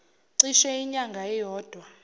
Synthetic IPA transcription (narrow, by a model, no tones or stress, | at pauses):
ǀiʃɛiɲaŋɡʱaɛjɔːd̥ʱwa